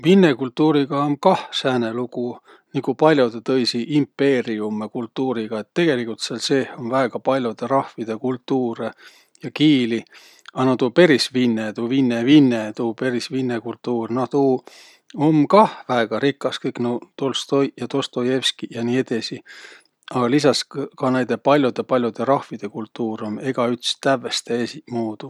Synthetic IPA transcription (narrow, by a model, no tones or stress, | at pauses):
vinːekult̪ːuːɾiɡ̥ɑomkɑhsæːneluku | nikupɑlʲjo̞d̪et̪ɤjsiʔimpːe̞ːɾiumːekult̪ːuːɾiɡ̥ɑet̪ːe̞ɡ̥e̞likˑult̪seɑlse̞ːonvæeɡ̥ɑpɑlʲjo̞d̪̥e̞ɾɑhvid̪̥e̞kult̪ːuːɾe | jɑkiːli | ɑnot̪upe̞ɾisvinːet̪uːvinːevinːet̪uːpe̞ɾisvinːekult̪ːuːrnoht̪uː | omkɑhvæeɡ̥ɑɾikːˑɑskɤjknot̪olst̪ojjɑt̪ost̪ojevskijɑniːed̪̥esi | ɑɡ̥ɑlis̬ɑskɑnæjd̪̥e̞pɑlʲjod̪̥e̞pɑlʲjod̪̥e̞ɾɑhvid̪̥e̞kult̪ːuːɾone̞ɡ̥ɑyt̪st̪ævːe̞st̪eesimuːd̪̥u